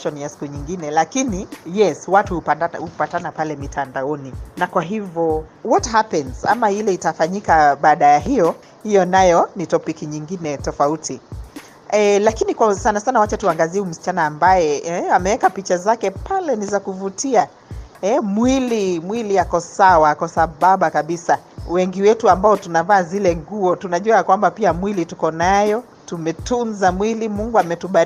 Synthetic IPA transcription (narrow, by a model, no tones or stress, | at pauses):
ʃɔnijasi̥kuɲiŋɡinɛlakinijɛswatuhuhupatanapalɛmitʰandaɔninakwaɦivjɔwɔthapɛnz̥a̰mailɛitafaɲikaɓaːɗajaɦijɔ | hijɔnajɔnitɔpikiɲiŋɡinɛtɔfautʰi | ɛlakinikwasanasanawat͡ʃɛtuaŋɡaziɛum̩si̥t͡ʃanaːmbajɛɛamɛwɛkapit͡ʃazakɛpalɛnizakuvutia | ɛmwilimwiliakɔsawaakɔsaɓaɓakaɓisawɛŋɡiwɛtuambaɔtunavaːzilɛŋɡuɔtunaʄuaakwambapiamwilitukɔnajɔ | tumɛtunzamwilimuŋɡuamɛtuɓa